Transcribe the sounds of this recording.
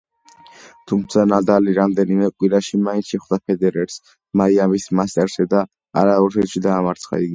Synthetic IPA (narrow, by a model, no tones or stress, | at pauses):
t̪ʰumt̪sʰanad̪aliɾamd̪ɛnimɛkʼwiɾaʃimaint̪sʰʃɛχwd̪apʰɛd̪ɛɾɛɾs | maiamismast̪ʼɛɾsɛd̪a | a̰ɾaɔɾʰɛt̪ʃid̪aːmaɾt̪sʰχa̰iɡi